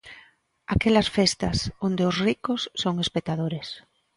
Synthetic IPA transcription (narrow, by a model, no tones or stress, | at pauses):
akelasfest̪asond̪eozrikosːoŋespek̚t̪aðoɾes